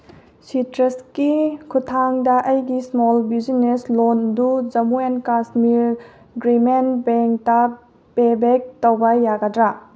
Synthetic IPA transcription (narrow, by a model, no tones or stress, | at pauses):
sitɾɐskikʰutʰaŋdɐʔɐjɡismolbid͡ʒineslondud͡ʒɐmuenkasmiɾ | ɡɾimenbeŋk̚tɐ | pebek̚tɐwbɐjaɡɐdɾa